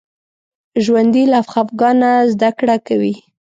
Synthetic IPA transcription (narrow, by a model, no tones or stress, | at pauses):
ʒwand̪ilafxafɡɑnazd̪akɽakawi